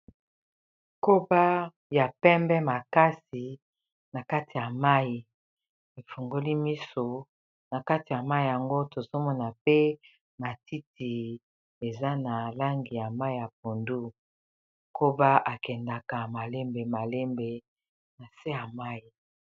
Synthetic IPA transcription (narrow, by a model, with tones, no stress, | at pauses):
ko˦ba˦ | ja˨pɛ˦mbɛ˦ma˨ka˦si˨ | na˨ka˦ti˨ja˨ma˦i˨ | e˨fo˨ŋɡo˦li˦mi˦so˨ | na˨ka˦ti˨ja˨ma˦i˨ja˨ŋɡo˦to˨zo˦mɔ˦na˨pe˦ | ma˨ti˦ti˨ | e˨za˦na˨la˦ŋɡi˨ja˨ma˦i˦˨ja˨p̚o˨ndu˦ | ko˦ba˦ʔa˨kɛ˨nda˨ka˨ma˨le˦mbe˨ma˨le˦mbe˨ | na˨se˦ja˨ma˦i˨